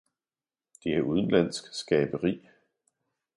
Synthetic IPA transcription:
d̥e̝æʔuð̞ˠən̩læn̰sɡ̥sɡ̥ɛːb̥əʁḭː

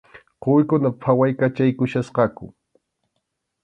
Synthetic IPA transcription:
qojkʊnapʰawajkat͡ʃajkʊʃasqɑkʊ̰

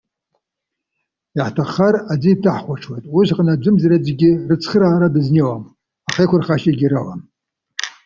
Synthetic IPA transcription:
iħtʰaχarad͡zitʰaħχʷaʈ͡ʂʰwejtʼwiʒqʼanad͡ʒʷɨmzaɾad͡zɡʲɪrɨt͡sʰχəɾaːɾadɨznewam | aχekʷʰʊrχaʃaɡʲiɾawa̰m

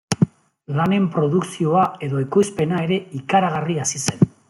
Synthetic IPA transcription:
lane̞mpɾo̞ðuksio̞ae̞ðo̞ikujspe̞nae̞ɾe̞ikaɾaɣ̞ariasise̞n

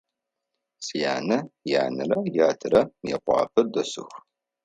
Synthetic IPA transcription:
sijaːnɐjaːnɨrɐjaːtʰɨɾɐjɛ̰qʷɑ̰ːpʰɨdɐsɨ̰xʷ

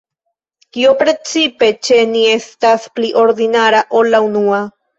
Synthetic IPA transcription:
kiopɾet͡sipe̞t͡ʃenie̞st̪aspliʔo̞ɾd̪inaɾaʔolaunua

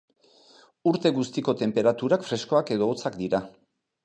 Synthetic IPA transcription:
uɾt̪e̞ɣust̪iko̞t̪e̞mpe̞ɾat̪uɾakfɾe̞sko̞ake̞ð̞o̞ːt͡sakd̪iɾa

